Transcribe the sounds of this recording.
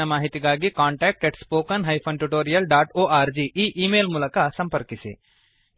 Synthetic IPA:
ɐmaːɦɪt̪iɡaːɡikãːɳʈɛːk̚ʈeʈspoːkɐnɦajpʰɐ̃nʈuʈoːɾijɐlɖaːʈoːʔaːɾd͡ʒiːʔiːʔiːmeːlmulɐkaːsɐ̃mpəɾkisḛː

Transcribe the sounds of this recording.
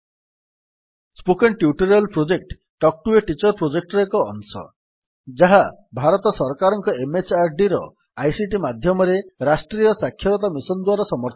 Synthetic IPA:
spokenʈjuʈuɾɔlpɾod͡ʒek̚ʈːɔk̚ʈueʈit͡ʃɔɾpɾod͡ʒek̚ʈɾekɔ̰ːnsɔ̰ | d͡ʒaɦabʱaɾɔt̪ɔsɔɾkaɾɔŋkɔemet͡ʃaɾɖiɾɔ̰ | ajsiʈ̬imad̪ʱjɔmɔɾeɾasʈɾijɔsakʰːjɔɾɔt̪amisɔnd̪waɾɔsɔmɔɾt̪ʰ

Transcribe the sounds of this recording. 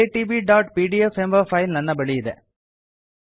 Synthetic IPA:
eʈiʋiɖaːʈ̚piːɖijɐfembɐfɐɪlnɐnːɐbɐɭɪjɪðɛ̰ː

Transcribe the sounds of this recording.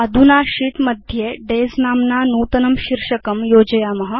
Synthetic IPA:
ɐd̪ʱunaɕiːʈməd̪ʱjeɖed͡znaːmnanuːt̪ɐnɐmɕiɾʂəkəmjod͡ʑəjamɐɦɐ

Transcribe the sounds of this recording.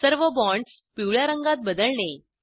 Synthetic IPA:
səɾʋəbɔɳɖ | piwɭjaɾəŋɡat̪̚bəd̪əɭne

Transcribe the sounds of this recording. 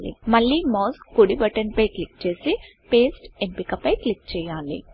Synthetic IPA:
lḭmɐɭːiːmɔːsːuɽibɐʈɐnpɐjklik̚t͡ʃe̞ːsi | peːsʈempikɐpɐjklik̚t͡ʃɛːjaːlḭ

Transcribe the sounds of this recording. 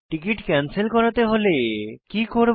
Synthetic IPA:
ʈikiʈkɛnselkɔɾat̪eɦolekikoɾ

